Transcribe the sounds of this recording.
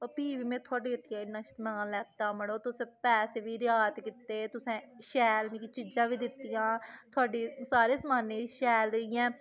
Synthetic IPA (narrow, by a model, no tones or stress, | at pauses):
opiːʋiːmẽːt̪ʰʊaːɖiːkəʈːɪjãːɪnːãːʃt̪mãːlɛːt̪aːməɽoːt̪ʊsẽːpɛːseːʋiːɾjaːd̪kit̪ːeːt̪ʊsɛ̃ːʃɛːlmĩt͡ʃiːd͡ʒãːʋiːd̪ɪt̪ːijãːt̪ʰʊaːɖiːsaːɾeːsəmaːneːʃɛːlɾɪjɛ̃ː